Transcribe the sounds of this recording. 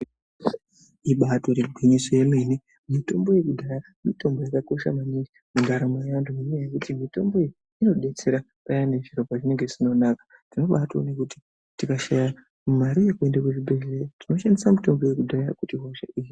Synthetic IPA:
iɓato̞ɾeruɡʱwiɲisojemeni | mito̞mbo̞je̞kudʱaja | mito̞mbo̞jakako̞ʃa̰maniɡi | muɡʱaɾamajandumeɲajekutimito̞mbo̞ii | ino̞ɗe̞t͡se̞ɾa | pajaneʐiɾopaʐine̞ŋɡe̞zino̞naːkḁ | tino̞ɓato̰nekuti̥ | tikaʃaja | mumaɾijekue̞ndakweʐibʱe̞ɮerotino̞ʃandisamito̞mbo̞je̞kudʱaa̰kutiɦwaʃa̰ʔiːji

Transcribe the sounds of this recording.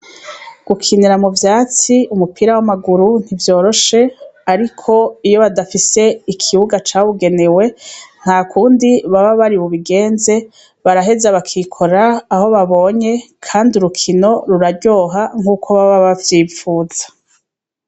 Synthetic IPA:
ɡ̥ukʰiniɾamuvjaːt͡siumupʰiɾawamaɡuɾun̥ivjo̞ːɾo̞ʃe̞aɾikʰo̞ijo̞βadafise̞ikʰiβuɡat͡ʃaːβuɡe̞newe̞n̥haːkʰuːndiβaβaβaɾiβuβiɡe̞ːnze̞ | βaɾaɦe̞zaβakʰikʰo̞ɾaːho̞βaβo̞ːɲe̞kʰaːndiuɾukʰino̞ɾuɾaɾɟo̞ːɦaŋ̥uːkʰo̞βaβaβavjiːfuːz̥ḁ

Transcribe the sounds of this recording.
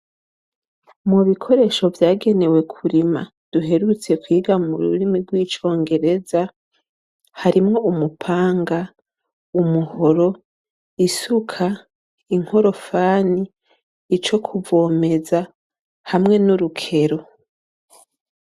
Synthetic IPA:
muβikʰo̞ɾe̞ʃo̞vjaːɡe̞ne̞we̞kʰuɾima̰ | d̥uɦe̞ɾut͡se̞kwiːɡamuɾṵɾimiɾɡwiːt͡ʃo̞ːŋɡe̞ɾe̞za | haɾimŋo̞umupʰaːŋɡa | umuho̞ɾo̞ | isukʰa | iŋ̥ho̞ɾo̞faːniː | t͡ʃo̞kʰuvo̞ːme̞za | hamŋe̞nuɾukʰe̞ɾo̞

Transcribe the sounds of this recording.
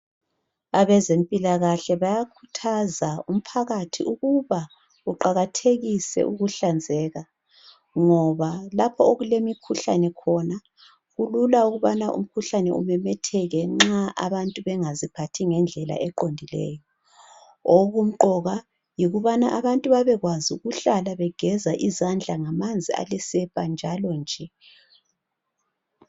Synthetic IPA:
aβɛzempʼilaɣaɬɛβajakʰutʰazaum̩pʰaɣatʰiʔuɣuβa | ɣuǃaɣatʰeɣisɛ̰ʔuɣuɬand͡zʱɛːɣa | ŋɔβalapʰɔoɣulemikʰuɬa̰nɛkʰɔna | ɣululauɣuβanaʔṵm̩kʰuɬanɛ̰ṵmɛmɛtʰɛɣɛŋ͡ǁaʔa̰βantʼuβɛŋazipʰatʰiŋɛnd͡ɮʱɛla̰ʔɛǃondʱilɛ̰ːjɔ | oɣum̩ǃɔɣa | jiɣuβanaʔaβantʼuβaβɛɣwaziuɣuɬalaβɛɡ̥ʱɛzaʔizand͡ɮʱaŋamand͡zʱia̰lɛsɛpʼand͡ʒʱalɔnd͡ʒʱɛ

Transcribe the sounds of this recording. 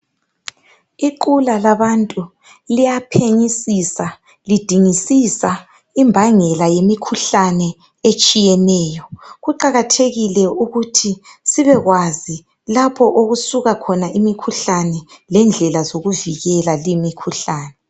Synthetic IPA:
iǃulalaβantʼu | lijapʰeɲisisa | lid̥ʱiŋisisa | imbʱaŋɛlajemikʰuɬanɛ | et͡ʃʼijɛnɛːjɔɣuǃaɣatʰeɣilɛuɣutʰisiβɛɣwazi | lapʰɔʔoɣusuɣakʰɔnaʔimikʰuɬanɛlɛnd͡ɮʱɛlazoɣuviɣɛlalimikʰuɬaːnɛ

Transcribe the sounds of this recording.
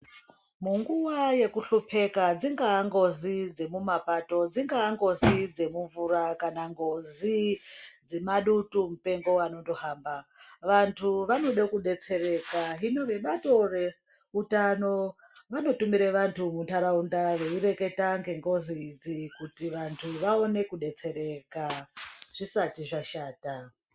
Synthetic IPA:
muŋɡuʋaje̞kuɬupʰe̞kad͡ziŋɡaːŋɡo̞zid͡ze̞mumapato̞d͡ziŋɡaːŋɡo̞zid͡ze̞muɱvurakanaŋɡo̞zid͡zemaɗutumupe̞ŋɡo̞ano̞ndo̞haːmbaʋantʰuʋano̞ɗakuɗe̞t͡se̞re̞kaɦino̞ʋe̞ɓato̞re̞ | utano̞ | ʋano̞tumiɾeʋantʰumuntʰaɾaundaʋe̞uɾe̞ke̞taŋɡe̞ŋɡo̞ziːd͡zikutiʋantʰuʋao̞ne̞kuɗe̞t͡se̞ɾe̞kaʐ̥isatiʐaʃaːta

